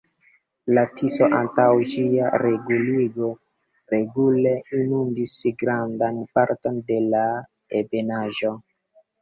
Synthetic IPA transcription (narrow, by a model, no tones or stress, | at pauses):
latʰiso̞ʔantawd͡ʒiaɾʔe̞ɡuliɡo̞ | ɾe̞ɡule̞inundisɡɾandanpaɾto̞nde̞la | ebe̞naʒo̞